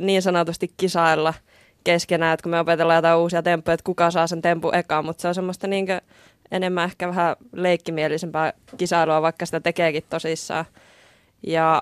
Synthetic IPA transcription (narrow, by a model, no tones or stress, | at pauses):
niːnsɑnot̪ust̪ikkisɑilːɑ | keskenæːet̪kumeopet̪elːɑjot̪ɑiuːsiɑt̪empːojɑet̪kukɑsɑːsent̪empuʔekɑmmut̪seolsemːost̪ɑniːŋkø | ḛnemːæ̃ehkæʋæhæleikːimielisempæː | kisɑiluɑʋɑikːɑsĭ̥t̪æt̪ekeːkit̪t̪ːosisːɑ̰ː | jɑ